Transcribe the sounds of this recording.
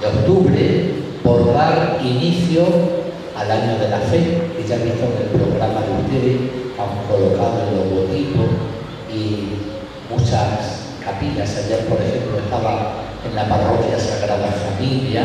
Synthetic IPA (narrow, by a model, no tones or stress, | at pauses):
o̞kt̪uβɾe | bo̞ɾðaɾiniθjo | alaɲoðe̞lafe̞keʝaβiht̪oŋelpɾo̞ɣ̞ɾamaðeuht̪e̞ðest̪aŋko̞lo̞kaðoenlo̞zɣot̪ipos | i | mut͡ʃas | kapiʎasaβjapo̞ɾe̞xe̞mploe̞hst̪aβa | e̞nlaparo̞kjasaɣɾaðafamilja